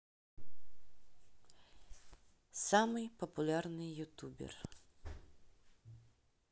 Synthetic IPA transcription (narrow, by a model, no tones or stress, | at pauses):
samɨjpɐpulʲarnɨjjut̪ubʲɛ̰r